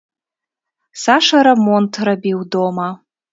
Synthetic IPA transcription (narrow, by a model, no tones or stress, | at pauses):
saʂɐɾɛmɔnt̪rabʲiwd̪ɔmɐ